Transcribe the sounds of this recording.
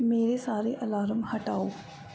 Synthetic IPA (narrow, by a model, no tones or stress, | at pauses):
meːɾesaːɾeʔɐlaːɾəmhɐʈaːoː